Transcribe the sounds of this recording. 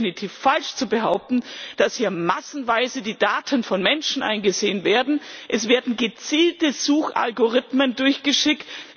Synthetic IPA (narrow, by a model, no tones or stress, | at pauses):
ɪnitʰiːfalʃt͡subəɦaʊp̚tn̩d̥ashiːɐmasn̩vaɪzədiːdaːtʰənfɔnmɛnʃn̩ʔa̰ɪnɡəzeːənveːɐdn̩ʔɛsv̥eːɐdn̩ɡət͡siːltəzuːxʔa̰lɡoʁɪtməndʊɐçɡ̥əʃɪkt